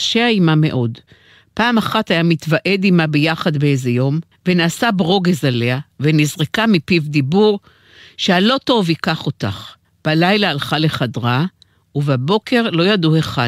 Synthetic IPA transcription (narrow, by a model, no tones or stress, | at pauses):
ʃeaimame̞̰ʔo̞d | paːmaχatajamit̪vaʔe̞dimabejaχadbeezejo̞m | venaːsabʁo̞ɡezale̞avenizʁekamipivd̪ibuʁ | ʃealo̞to̞vikaχo̞taχ | b̥alajlaːlχale̞χadʁa | uvabo̞kʰe̞ʁlo̞jadue̞χa